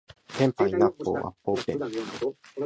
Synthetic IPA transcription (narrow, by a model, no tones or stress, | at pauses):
hempainapːo̰wa̰popẽn